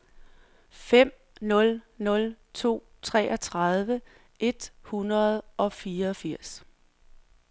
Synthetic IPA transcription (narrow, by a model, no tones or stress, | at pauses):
fem̰ | nɔ̽lnɔ̽lt͡sʰo̝̰ː | t͡sʰʁɛ̰ːʔɒ̽t͡sʰʁɑðˠʋə | ʔe̝d̥hunʁɐðˠʔɒ̽fiːɐɒfiɐ̰s